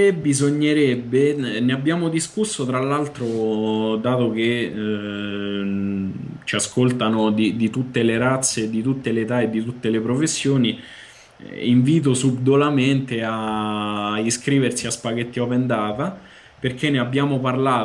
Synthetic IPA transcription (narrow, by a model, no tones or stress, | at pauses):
ebːizoɲːeɾɛbːeneabːjaːmod̪iskusːot̪ɾalːalt̪ɾod̪aːt̪ok̟e | t͡ʃiaskolt̪anod̪id̪it̪ut̪ːeleɾat̪sːed̪it̪ut̪ːeleːt̪aed̪ːit̪ut̪ːelepɾofesːjoːni | iɱviːt̪̬osubd̪olament̪ea | iskɾiːversiaspaɡet̪ːiɔvend̪aːt̪a | perk̟enːeabːjaːmoparlaː